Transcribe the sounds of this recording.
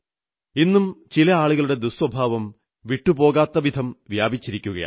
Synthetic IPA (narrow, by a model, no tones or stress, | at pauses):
inːumt͡ɕilɐaːɭuɣɐɭuɽe̞d̪uswɐbʱaːʋɐm | ʋiʈːupo̞ːɣaːt̪ːɐʋid̪ʱɐmʋjaːbʱit͡ɕːiɾikʲːuɣɐ̰ja̰ː